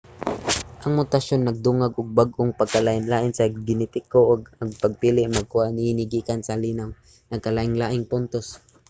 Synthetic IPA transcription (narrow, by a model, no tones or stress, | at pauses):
ʔɐŋmʊt̪aʃonːɐɡ̚d̪ʊŋaɡʊɡ̚baɡʔʊŋpaɡ̚kalaːʔɪnlaːʔɪnsaɡɪnɪt̪ɪkoʔʊɡaɡ̚paɡ̚piːlɪʔmaɡ̚kʊanɪnɪɡiːkansaliːnaw | nɐɡ̚kalaːʔɪŋlaːʔɪŋpʊnt̪os